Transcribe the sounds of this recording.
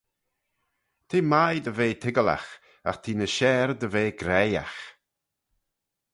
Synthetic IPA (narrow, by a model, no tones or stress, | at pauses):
t̪ʰiːmajd̪əveːt̪ʰɪɡəla̰x | a̰xt̪ʰiːnəʃɛːɾd̪əveːɡɾɛja̰x